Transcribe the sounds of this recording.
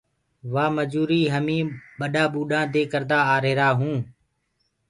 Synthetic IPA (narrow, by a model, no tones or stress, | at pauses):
ʋaːməd͡ʒuːɾiːɦəmĩːɓəɗaːɓuːɗãːd̪eːkəɾd̪aːaːɾeːɾaːɦũː